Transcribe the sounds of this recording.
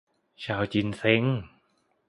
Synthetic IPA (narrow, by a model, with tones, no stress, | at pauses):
t͡ɕaː˧wt͡ɕi˧˩nse˧˥ŋ